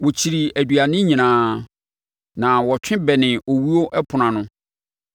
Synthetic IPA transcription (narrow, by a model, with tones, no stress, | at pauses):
wo˨t͡ɕʰi˨ɾi˨æ˨dɥa˨nɪ̃˦ɲĩ˨nãː˨˦ | nã˨wɔ˨t͡ɕᶣʰɪ̃˦bɛ˨nɪ̃˨o˨wi˦o˦ʔɛ˦pʰʊ˨nã˨nʊ̃˦